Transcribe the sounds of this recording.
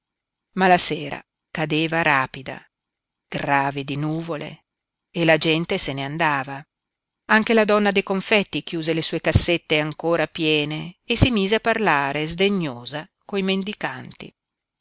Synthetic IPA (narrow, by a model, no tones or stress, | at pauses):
malaseːɾa̰ | kad̪eːvaɾaːpid̪a̰ | ɡ̥raːved̪inuːvolḛ | elad͡ʒɛnt̪eseneand̪aːva | aŋk̟elad̪ɔnːad̪ejkoɱfɛt̪ːik̟juːzelesuːekasːet̪ːeaŋkoːɾapjɛːneːsːimiːzeapːarlaːɾezd̪eɲːoːza | koimend̪ikant̪ḭ